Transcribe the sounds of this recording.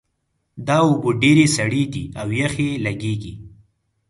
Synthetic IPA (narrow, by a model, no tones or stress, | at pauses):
d̪ɑwoboɖeɾesaɽed̪iawjaxelaɡeɡḭ